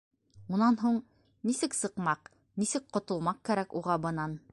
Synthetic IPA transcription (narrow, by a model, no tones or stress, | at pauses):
munɑnɦuɴ | nisɘksɤ̆qmɑq | nisɘk̚qŏt̪ŏlˠmɑq̚kæɾækuʁɑbɤ̆nɑn